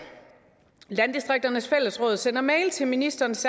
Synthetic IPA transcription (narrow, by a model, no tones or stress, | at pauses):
lænd̥isd̥ʁeɡ̥̚d̥ɐnəsfel̰əsʁɔ̽ːð̞̩ˠsen̰ɐmɛɪlt͡sʰe̝lminisd̥ɐːnsæ